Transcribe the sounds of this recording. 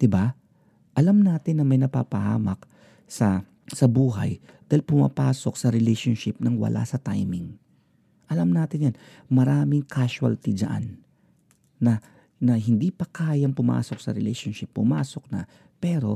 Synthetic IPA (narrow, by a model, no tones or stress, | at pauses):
d̪̥ɪba | ʔɐlamnaːt̪ɪnːɐmɐjnɐpa̰ːpɐha̰ːmɐk̚ | sɐ | sɐbuːɦɐ̰j | d̪̥aːhɪlpʊma̰ːpaːsok̚sɐɾɪlɛjʃonʃɪp̚nɐŋwɐ̰lʔa̰sɐt̪a̰jmɪŋ | ʔɐlɐmnaːt̪ɪnjan | mɐɾaːmɪŋkʰaʃwɐ̰lt̪ɪd͡ʒɐ̰ʔa̰nː | ɐ | nɐɦɪnd̪ipɐkaːjɐŋpʊma̰ːsok̚sɐ̰ɾɛlɛ̰jʃonʃɪpːʊmaːsok̚nɐ̰ | pɛːɾo̞